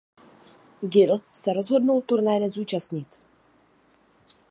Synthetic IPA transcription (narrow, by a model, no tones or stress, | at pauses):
ɡɪlsɛɾozɦodnuwt̪uɾnajnɛzuːt͡ʃast̪ɲɪt̪